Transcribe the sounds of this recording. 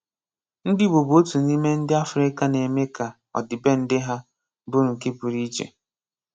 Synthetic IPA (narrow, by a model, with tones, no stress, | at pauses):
n̩˦dɪ˦bo˨bo˦tu˨ni˦me˦n̩˦dɪ˦a˦fʊ˨ɾɪ˦ka˦ne˨me˦ka˨ | ɔ̰˨dɪ˨be˦n̩˦dɪ˦ɦa˦ | bʊ˦ɾʊ˨ŋ̩˨ke˦pu˨ɾi˦t͡ʃḛ˨